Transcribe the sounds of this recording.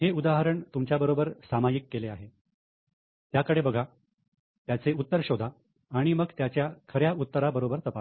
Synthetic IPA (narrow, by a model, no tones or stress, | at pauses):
heud̪aɦəɾəɳt̪umt͡ɕjabəɾobəɾsamajikːeleaɦe | t̪jakəɽebəɡʱa | t̪jat͡seut̪ːəɾɕod̪ʱaː | ɽ̃iməɡt̪jat͡ɕjakʰəɾjaut̪ːəɾabəɾobəɾt̪əpa